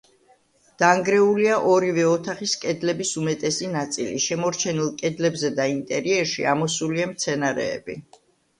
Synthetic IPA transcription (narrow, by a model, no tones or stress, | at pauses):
d̪̥aŋɡɾɛuliaʔɔɾivɛɔt̪ʰaχiskʼɛd̪lɛbisumɛt̪ʼɛsinat̪sʼilḭʃɛmɔɾt͡ʃʰɛnilˠkʼɛd̪lɛbzɛd̪aint̪ʼɛɾiɛɾʃḭamɔsuliamt̪sʰɛnaɾɛ̰ːbḭ